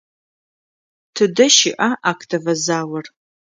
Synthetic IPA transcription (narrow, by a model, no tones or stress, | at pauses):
tʰɨdɐʃɪʔaʔaːkʰtʰɐvɐzaːwɐr